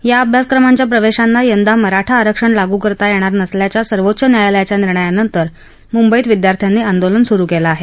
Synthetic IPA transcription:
jaəbʱjaskɾəmaɲt͡ɕjapɾəʋeɕanːajənd̪aməɾaʈʰaːɾəkʂəɳlaɡuːkəɾt̪ajeɽ̃aɾnəsljat͡ɕjasəɾʋot̪ːɕənjajaləjat͡ɕjaniɾɳəjanənt̪əɾ | mumbəiːt̪ʋid̪jaɾt̪ʰjanːiːand̪olənsuɾuːkelaːɦe

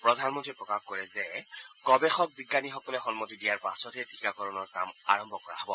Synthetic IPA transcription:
pɹɔdʱanmɔntɹipɹɔkaxkɔɹɛzɛkɔbɛxɔk̚biɡːanixɔkɔlɛxɔnmotidijaɹpasɔtɛti̥kakɔɹɔnɔɹka̰ma̰ɹɔmbʱɔkɔɹa̰ɦɔbɔ

